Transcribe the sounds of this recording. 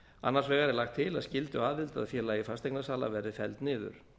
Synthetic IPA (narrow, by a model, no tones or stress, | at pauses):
a̰nːaɾ̥svɛːɣaɾɛɾlaxt̪ʰːɪlaðscɪlt̪ʏaːvɪlt̪a̰ðfjɛlaːjɪfast̪ejknasaːla̰vɛɾɪfɛlt̪nɪːðʏ̰ɾ̥